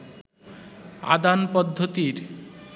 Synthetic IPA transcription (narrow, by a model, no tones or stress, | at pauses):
a̰d̪anpɔd̪ʱːot̪iɾ